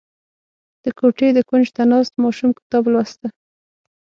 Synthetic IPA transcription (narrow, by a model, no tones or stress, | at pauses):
d̪̥əkoʈed̪əkund͡ʒt̪anɑst̪mɑʃumkɪ̥t̪ɑblwast̪a